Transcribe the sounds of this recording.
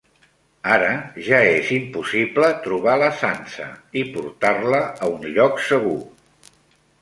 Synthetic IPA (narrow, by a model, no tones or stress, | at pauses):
aɾəʒaezimpusiplət̪ɾuβaləsansə̰ipuɾt̪arləːunʎɔksəɣu